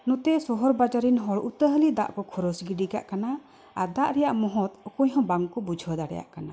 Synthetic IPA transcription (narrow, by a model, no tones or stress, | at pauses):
nɔ̃t̪ɛsɔɦɔɾbad͡ʒaɾinɦɔɭut̪əɦəlid̪a̰ʔkɔkʰɔɾɔsɡiɖika̰ʔkana | aɾd̪aʔɾɛjaʔmɔɦɔt̪ɔkuɲɦɔ̃baŋkɔbud͡ʒʱɔd̪aɾɛ̰ja̰ʔkana